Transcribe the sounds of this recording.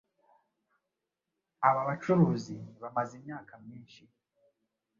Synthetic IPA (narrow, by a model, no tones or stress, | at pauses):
aβaβat͡ʃuɾuːzinβamazimɲaːkamɲiːnʃi